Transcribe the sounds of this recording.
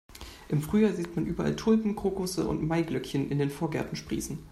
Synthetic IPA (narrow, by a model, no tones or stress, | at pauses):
ʔɪmfʁ̥yːjaːziːtmanʔyːbɐʔa̰ltʰʊlbn̩kʁ̥oːkʊsəʔʊ̰ntmaɪɡlœkçənʔɪ̰ndeːnfoːɐɡɛ̰ɐtn̩ʃpʁ̥ḭːsn̩